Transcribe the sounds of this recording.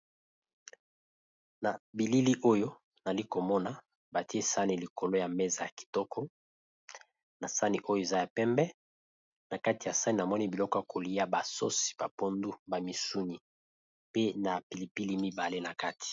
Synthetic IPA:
na˨bi˨li˦li˦ʔo˦jo˦ | na˨li˦ko˨mɔ˦na˨ | ba˨ti˦e˦sa˦ni˨li˨ko˨lo˦ja˨mɛ˦za˨ja˨ki̥˨tɔ˦kʰɔ˦ | na˨sa˦ni˨ʔo˦jo˦e˨za˦ja˨pɛ˦mbɛ˦ | na˨ka˦ti˨ja˨sa˦ni˨na˨mɔ˦ni˦bi˨lɔ˦kɔ˦a˨ko˨li˦ja˦ba˨so˦si̥˨ba˨po˦ndu˦ba˨mi˨su˦ni˨ | pe˦na˨pi˨li˨pi˦li˦mi˦ba˨le˦na˨ka˦ti̥˨

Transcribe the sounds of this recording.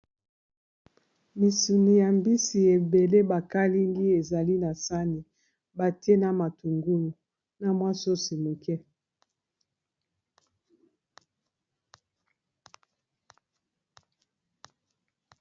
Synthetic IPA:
mi˨su˨ni˨ja˨mbi˦si˨e˨be˨le˦ba˨ka˦li˦ŋɡi˦e˨za˨li˦na˨sa˦ni˨ | ba˨te˦na˦ma˨tu˨ŋɡu˦lu˨ | na˨mwa˦so˦si˨mo˨kɛ˦

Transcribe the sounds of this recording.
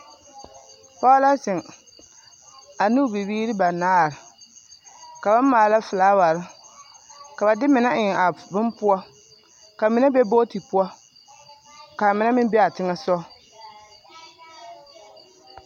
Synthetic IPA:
pa˦la˦sɪ˨ŋ | a˨nu˦bi˨biː˦ɾɨ˦ba˨naː˦˨ɾɪ˨ | ka˨ba˦maː˨la˦fɨ˨laː˦wa˨ɾɪ˦ | ka˨ba˨dɪ˦mɪ˨na˦ʔɪ˨a˨bʊ˦mpʊ˦a˦ | ka˨mɪ˨na˦bɛ˦bo˦ti˨pʊ˦ɔ˦ | ka˨mɪ˨na˦mɪ˦m˦bɛ˦a˨tɪ˦ŋa˦sɔ˦

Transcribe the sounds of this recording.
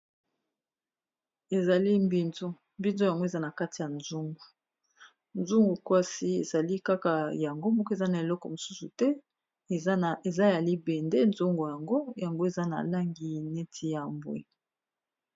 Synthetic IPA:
e˨za˨li˦mbi˦nzo˦ | mbi˦nzo˦ja˨ŋɡo˦e˨za˦na˨ka˦ti˨ja˨nzu˦ŋɡu˨ | nzu˦ŋɡu˨kwa˦si˦ḛ˨za˨li˦ka˦ka˨ja˨ŋɡo˦mɔ˦kɔ˦e˨za˦na˨e˨lɔ˦kɔ̰˨mo˨su˦su˨tɛ˦˨ | e˨za˦e˨ja˨li˦bɛ˨nde˦nzu˦ŋɡo˨ja˨ŋɡo˦ja˨ŋɡo˦e˨za˦na̰˨la˦ŋɡi˨˦ne˦tʰi˦ja˨mbwḛ˦

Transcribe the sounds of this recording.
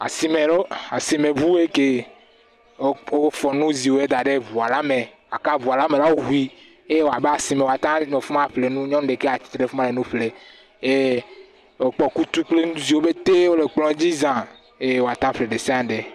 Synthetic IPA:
a̰˨si˨˦me˨lo˦a˨si˨me˨bu˦e˦ke˦ | o˦fɔ˨nũ˦zi˨wo˨˦e˦d̪a˨ɖe˦vu˨a˨la˦me˨ | a˨ka˦vu˨a˨la˦me˨la˦wo˦ɦu˨˦i˦ | e˦e˦wo˨a˨be˦a˨si˨mẽ˨wa˨t̪ã˦me˨fu˦mã˦ɸle˨nũ˦ɲɔ̃˦n˦ɖe˨ke˦a˨t͡ɕi̥˦t̪ɾe˦fu˦mã˦ɖe˨nũ˦ɸle˨ | e˦ | o˨k͡pɔ˨ku˦t̪u˦k͡ple˦nũ˦zi˨wo˦be˦t̪e˦wo˦le˨k͡plɔ̃˦d͡ʑi˦zã˨ | e˦wo˨a˨t̪ã˦ɸle˨ɖe˨se˦a˨˦ɖe˨

